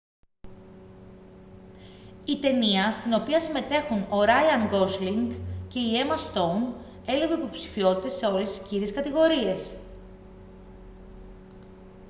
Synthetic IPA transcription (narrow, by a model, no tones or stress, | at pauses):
it̪e̞niɐst̪ino̞piɐsime̞t̪e̞xuno̞ɾɐjɐŋɡo̞sliŋɡce̞ie̞mɐst̪o̞n | e̞leve̞ipo̞psi̥fio̞t̪it̪e̞se̞o̞le̞si̥sciɾieskɐt̪iɣo̞ɾie̞s